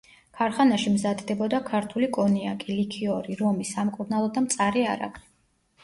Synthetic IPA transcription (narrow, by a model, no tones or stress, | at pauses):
kʰaɾχanaʃimzad̪d̪ɛbɔd̪akʰaɾt̪ʰulikʼɔniakʼilikʰiɔɾiɾɔmisamkʼuɾnalˠɔd̪amt̪sʼaɾia̰ɾa̰ɡli̥